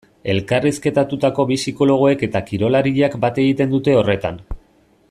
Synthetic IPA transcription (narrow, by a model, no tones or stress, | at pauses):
e̞lkariske̞t̪at̪ut̪ako̞βisiko̞lo̞ɣ̞o̞e̞ke̞t̪akiɾo̞laɾiʎakbat̪e̞ɣ̞it̪e̞nd̪ut̪e̞o̞re̞t̪a̰n